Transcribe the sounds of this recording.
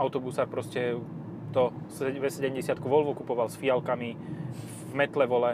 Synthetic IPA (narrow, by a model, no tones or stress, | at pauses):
aʊt̪ɔbusaːɾpɾɔscɛ | t̪ɔsʋɛsɛɟɛmɟɛsɪat̪kuʋɔlʋɔkupɔʋalsfialkami | vmɛt̪lɛʋɔlɛ